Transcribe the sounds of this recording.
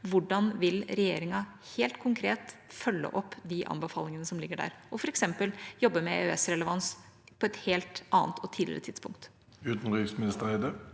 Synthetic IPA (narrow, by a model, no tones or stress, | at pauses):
ʋʊɖɑnʋɪlɾɛjeːɾɪŋɑheːlt̪kʰʊŋkʰɾeːt̪fœlːə̰ʔɔpːd̪iʔɑ̰mbəfɑːlɪŋənəsɔmlɪɡːəɖæ̰ːɾʔɔfɔɾɛksɛmpəljɔbːəmɛøːɛsɾɛləʋɑns | pʰɔɛt̪heːlt̪ʔɑːnt̪ʰɔt̪ʰiːd̪lɪ̰ɾət̪ɪt̪spʰʊŋk̚t̪ | ʉːt̪n̩ɾiːksmɪnɪst̪əæɪd̪ə